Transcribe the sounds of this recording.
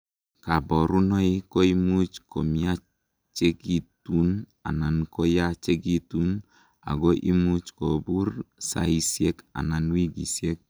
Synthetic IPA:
ka˨bɔ˨ɾu˦nɔ˦i˦ko˦i˦mu˦t͡ʃko˨mi˦a˦ | t͡ʃe˦ɡi˦tu˦n | a̰˨na˨nkɔ˦ja˦t͡ʃe˦ɡi˦tu˦n | a̰˨ɡɔ˦ʔḭ˦mu˦t͡ʃko˨bu˦ɾsa̰˨i˦sje˦ka̰˨na˨n˦wi˦ɡḭ˨sje˦k̚

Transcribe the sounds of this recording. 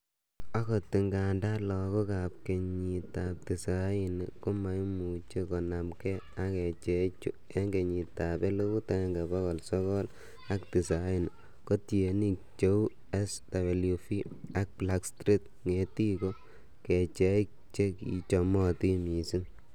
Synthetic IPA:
a˦kɔ˨ti˨ŋɡa˨nda˦lɔ˨kɔ˦ka˨p̚ke˨ɲi˨ta˨p̚ti˨sa˨˦ji˦nko˦ma˨jmu˨t͡ʃe˦kɔ˨na˨mkɛ˦a˦kɛ˨t͡ʃɛ˨˦t͡ʃu˦ | e˦ŋɡe˨ɲi˨ta˨bɛ˦lo˦ku˦ta˦ŋɡa˨bɔ˦kɔ˨lsɔ˦kɔ˦l | a˦kti˨sa˦jɪ˦n˨ | ko˦tje˨ni˦k̚t͡ʃe˦u˦ | ɛ˦sda˨be˨lju˨fi˦a˦k̚bla˦kstɾi˦t | ŋe˨ti˦kɔ˦ | kɛ˨t͡ʃɛ˦k̚ | t͡ʃe˦kḭ˨t͡ʃɔ˨mɔ˦ti˦mi˨si˦

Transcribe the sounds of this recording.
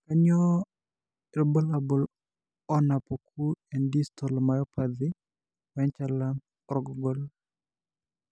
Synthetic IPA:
ka˦ɲɔ˦ | ɛlbɔ˦la˨bɔ˨l | ɔ˦na˨po˨kʰu˦ɛ˨ndi˦stɔ˨lmajɔ˦pʰad̪ɪ˦ | wɛ˦ɲt͡ʃa˦la | ɾɔ˨ɡɔ˨ɡɔ˦l

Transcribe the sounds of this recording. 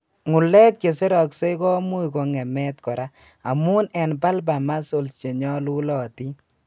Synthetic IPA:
ŋu˨lɛ˦kt͡ʃe˨se˦ɾɔ˨kse˦jkɔ˦mu˦jkɔ˧ŋɛ˨mɛ˦tkɔ˨ɾa˦ | a˨mu˦nɛ˨npa˦lba˨ma˦so˨lt͡ʃe˨ɲɔ˦lu˦lɔ˨ti˦

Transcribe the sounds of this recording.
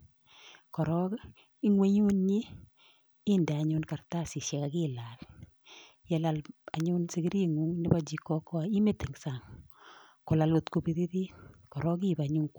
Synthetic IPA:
kɔ˨ɾɔ˦k | i˦ŋwe˦ɲu˦nɲiː˦ | ndɛ˨a˨ɲʊ˦nka˨rta˦sɪ˨ʃjɛ˨ka˨kila˨l | jɛ˦la˨la˨ɲʊ˦nsɪ˨ɡi˦ɾi˦ŋu˦ŋnɪ˦ba˦d͡ʒi˨kːɔ˦kɔ˦˨i˦me˦tɪ˨ŋsa˨ŋ | ko˨la˨lo˨t̪ko˨bi˨ði˦ði˦kɔ˨ɾɔ˦k̬i˦ba˨ɲu˦ŋk

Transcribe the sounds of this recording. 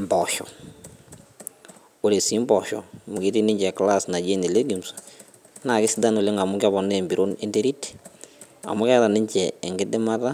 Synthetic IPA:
mbɔ˨ʃɔ̰˨ | o˨ɾe˨si˦mbɔ˨ʃɔ̰˨mu˨ke˦ti˦nɪ˦ɲd͡ʒɛ˨kla˦sna˨d͡ʒe˦ne˨le˦ɡi˨msḁ | na˨kɪ˦sɪ˦da˦no˨le˦ŋa˨mʊ˦kɪ˦a˦βɔ˨nɛ˦˨mbi˨ɾʔo˦ne˦nde˦ɾi˦ti̥ | a̰˨mʊ˦kɛ˦ta˨nɪ˦ɲt͡ʃɛ˨ŋɡɪ˦dɛ˦ma˦ta˦

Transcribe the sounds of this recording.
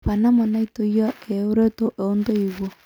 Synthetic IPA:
pa˨na˦ma˨na˦i˦to˨ja˦e˨o˦ɾe˦to˦ʔe˨˦ndo˦i˨ɣo˦˨

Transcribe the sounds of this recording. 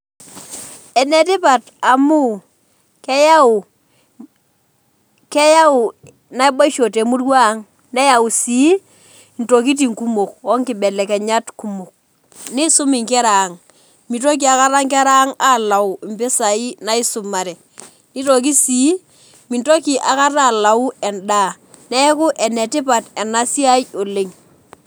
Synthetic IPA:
ɛ˨nɛ˨tɪ˦pa˨t | a˨mu˦ | kɛ˦ja˦u˨ | kɛ˦ja˦u˨ | na˨˦i˦ba˦ʃo˨te˨mu˦rwa˦˨˦ŋ | nɛ˦ja˨u˨si˨˦ | n̩to˨k̬i˦t̬i˨ŋku˦mo˨kɔ˦ŋkɪ˨bɛ˨lɛ˨kɛ˨ɲa˦tku˦mo˨k̚ | ni˦sʊ˦mɪ˨ŋkɛ˦ɾaː˨ŋ | mi˨to˦k̬i˨a˨ka˦ɾa˦ŋkɛ˦ɾa˦ŋa˦˨la˨u˨i˨mpɪ˦sa˨i˦na˦i˦sʊ˨ma˨ɾɛ˨ | ni˦to˨k̬i˦si˨˦ | mi˨nto˦ki˨ʔa˨ka˦ra˦˨la˨u˦ɛ˨nda˦˨ | nɛ˦kʊ˦ʔɛ˨nɛ˨tɪ˦p̬a˨tɛ˨na˦si˦a˦jo˨le˦ŋ

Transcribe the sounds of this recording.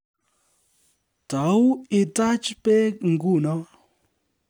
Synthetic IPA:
ta˨˦wɪ˧ta˦t͡ʃpe˦kŋ̩˨ɡu˦˨nɔ˦

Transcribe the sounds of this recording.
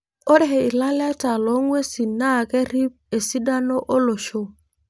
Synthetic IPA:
o˦dɛ˦˨e˨i˨la˦la˦ta˨lo˨˦ŋwe˦si˨na˦˨ke˦ɾi˦p̚e˨si˦da˦no˦ʔo˦lo˨ʃo˦

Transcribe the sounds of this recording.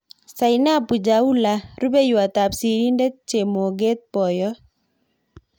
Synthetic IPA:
sa˨ɪna˦pu˨d͡ʒa˨u˦la˨ɾu˦be˦jwa˨t̪a˨psi˨ɾi˦nde˦t͡ʃe˨mo˨ɡe˦t̪̚pɔ˨jɔ˦

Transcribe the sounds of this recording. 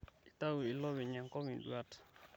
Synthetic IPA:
i˨ta˦wu˨i˨lɔ˦wi˨ɲa˨ŋkɔ˦mi˨ndwa˦t

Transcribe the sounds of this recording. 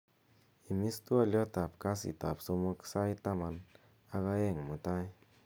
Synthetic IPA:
i˨mi˦st̪u˦a˦˧ljo˦t̪a˨p̚ka˦sḭ˨t̪a˨psu˧mu˦˧ksa˦jt̪a˦ma˧n | a˧ɣa˧e˦˨ŋmu˨t̪a˦j

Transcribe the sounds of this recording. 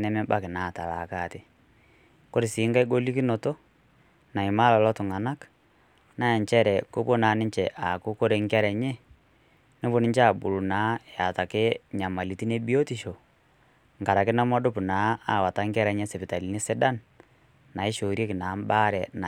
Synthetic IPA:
nɛ˦mɛ˦ba˦kɪ˨na˨˦˨ta˨la̰˨ka˦˨te˦ | ko˦ɾɪ˨siː˨˦ŋɡa˦i˦ɡo˦li˦ki˦no˨to˦ | na˨ɪ˨ma˦lɔ˨lɔ˦tʊ˨ŋa˨na˦k | na˦ja˨ɲt͡ʃɛ˦ɾɛ˨ko˦bo˦na˨˦nɪ˦t͡ʃɛ˨ʔa˨kʊ˦ko˦ɾe˨ŋkɛ˦ɾɛ˨ɲɛ˦ | ne˦bo˦nɪ˦ɲt͡ʃa˦˨bu˨ɾu˨na˨˦ja˨ta˨kɪ˦ɲa˨ma˨li˨˦ti˦ne˦bi˦o˦ti˨ʃo˨ | ŋka˨ɾa˨kɪ˦na˦mɔ˦dʊ˦pnaː˨˦a˨wa˨ta˦ŋkɛ˦ɾɛ˨˦ɲɛ˦sɛ˨pɪ˨ta˨li˨˦ni˦sɪ˦da˦n | na˨ɪ˦ʃo˨ɾje˦kɪ˨naː˨˦m˦ba˦ɾɛ˨na˨

